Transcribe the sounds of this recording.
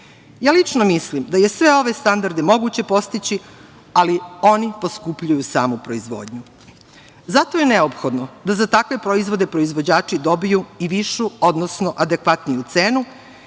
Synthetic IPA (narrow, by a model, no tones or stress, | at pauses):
jaːlit͡ʂnomislimd̪aje̞sʋe̞o̞ʋe̞st̪and̪aɾd̪emo̞ɡut͡ɕe̞po̞st̪it͡ɕi | alio̞nipo̞skupʎujusa̰ːmupɾo̞izʋo̰ːd̪ɲu | zat̪o̞jeneopxo̞d̪nod̪azat̪akʋe̞pɾo̞izʋo̞d̪epɾo̞izʋo̞d͡ʑaːt͡ʂid̪o̞bijuiʋiʃuod̪nosno̞ʔad̪e̞kʋat̪nijut̪seːnu